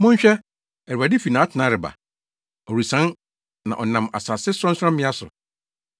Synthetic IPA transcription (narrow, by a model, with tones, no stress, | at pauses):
mʊ̃˦ɲ˦ɕᶣɛ˦ | ɛ˨ɾa˨dɪ˦fi˨nãː˨˦tʰɪ˨nã˨˦ɾɪ˨ba̰˨ | ɔ˨ɾu˨sã˨˦n | nã̰˨ʔɔ˨nã˨ma̰˨saː˨sɪ˦sʊɾɔ̃˦n˦sã˦m˦mɪ̃˦a˦sʊ̰˨